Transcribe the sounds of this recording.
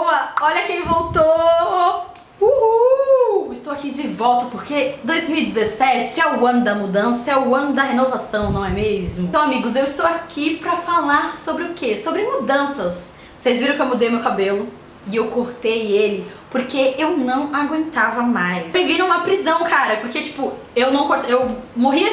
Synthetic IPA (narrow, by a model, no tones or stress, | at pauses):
owɐɔʎɐkẽj̃vowt̪o | uhu | ɪst̪owakid͡ʒɪvɔwt̪ɐpoɾked̪ojzmiwid͡ʒɪzesɛt͡ʃɪɛʊɐ̃nd̪ɐmud̪ɐ̃sɐɛʊɐ̃nʊd̪ɐhenovasɐ̃w̃nɐ̃w̃ɛmezmʊɐ̃w̃amiɡʊzewɪst̪owakʰipɾɐfalaɾsobɾɪʊkʰesobɾɪmud̪ɐ̃sɐs | osejzviɾɐ̃w̃kewmud̪ejumewkabelʊ | ɪewkoɾt̪ejelɪpoɾkeewnɐ̃w̃aɡwẽnt̪avɐmajseviɾ̃ũmɐpɾizɐ̃w̃kʰaɾɐpoɾket͡ʃi̥pʊ | ewnɐ̃w̃koɾt̪ewmoɦiɐ